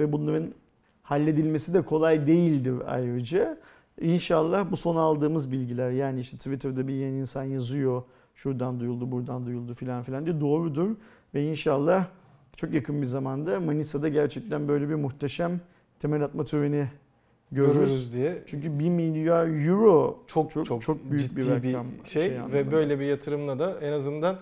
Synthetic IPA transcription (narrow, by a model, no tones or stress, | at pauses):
vɛbunˠaɾɯn | halʲːe̞d̪ilʲme̞sid̪ɛkʰo̞lˠajd̪e̞jilʲd̪iɾa̰jɾɯd͡ʒɛ | inʃalˠːahbuso̞naalˠd̪ɯːmɯzbilʲɟilʲæɾjaːniiʃt̪ʰɛt̪ʰvit̪ʰɛɾd̪abijeninsanjazujo̞ | ʃuɾd̪and̪ujulˠd̪ubuɾd̪and̪ujulˠd̪ufilʲanfilʲand̪ijɛd̪o̞ːɾud̪uɾ | vɛinʃalˠːah | t͡ʃʰo̞kjakʰɯnbizamand̪amanisad̪aɟæɾt͡ʃʰɛc̚t̪ʰænbø̞jlʲɛbiɾmuxt̪ʰeʃam | t̪ʰe̞mælʲat̪̚mat̪ʰøveni | ɟøɾyɾyɾzd̪iɛt͡ʃʰyɲcybimilʲjajuɾo̞t͡ʃʰokt͡ʃʰot͡ʃt͡ʃʰo̞k̚byjybiɾːakamʃejeja̰vɛbø̞jlʲɛbijat̪ʰɯɾɯmlˠad̪aɛnazɯnd̪an